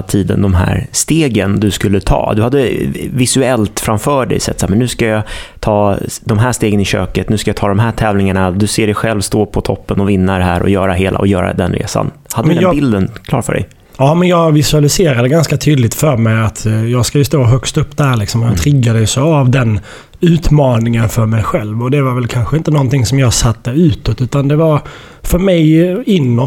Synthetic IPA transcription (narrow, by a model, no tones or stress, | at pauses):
t̪ʰiːd̪ə̰nd̪ɔmɦæ̰ːɾsʂt̪eːɡənd̪ɵskɵlːət̪ʰɑ̰ːd̪ɵhad̪ːəvɪsʉɛlt̪fɾamfœːɖɛ̰jsɛ̰t̪ːsaːmɛnʉ̟ːskajɑt̪ʰɑːd̪ɔmɦæːʂt̪eːɡənɪɕø̰ːkət̪nʉ̟ːskajat̪ʰɑːd̪ɔmɦæːʈʰɛːvlɪŋaɳad̪ɵseːɖɛjɧɛlvst̪oːpʰɔt̪ʰɔpːənɔvɪnːad̪ɛɦæːɾɔ̰jœːɾaɦeːlʔa̰ʔɔjœːɾa̰d̪ɛnɾḛːsa̰n | had̪ddɛɪld̪ənkʰlɑ̰ːɾfœ̰ɖɛ̰j | jɑːmɛnjɑːɡvɪsɵalɪseːɾad̪əɡanskat̪ʰyːd̪lɪt̪fœɾmɛjat̪ʰjɑːɡskajɵst̪oːɦœkst̪ɵpːd̪æɾɭɪksɔmɔjɑt̪ʰɾɪɡːad̪əjsɔavd̪ɛn | ʉ̟ːt̪mɑːnɪŋənfœɾmɛjɧɛlvɔd̪ɛvaɾvɛlkʰanɧəɪnt̪ənɔnt̪ɪŋsɔmjɑːsat̪̚ːd̪æɾʉ̟ːt̪ɔt̪ʉːt̪and̪ɛvaɾ | fœɾmɛjɪnːɔ